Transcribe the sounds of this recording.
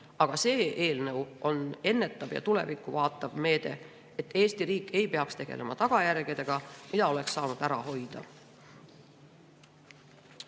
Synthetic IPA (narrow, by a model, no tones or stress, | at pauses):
ɑɡ̥ɑse̞ːʔeːlnəwʔo̞ne̞nːe̞t̪ːˑɑvjɑ̰t̪ule̞̰vikːˑuvɑːt̪ːˑɑvme̞ːd̪̥e̞̰ | et̪ːˑe̞ːst̪iɾiːkːˑe̞jpe̞ɑkst̪e̞ɡ̥e̞̰lʔe̞mɑt̪ɑɡ̥ɑjærɡ̥id̪̥e̞ɡ̥ɑmid̪ɑo̞le̞ksːɑːnud̪̥æɾɑɦo̞jd̪̥ɑ̰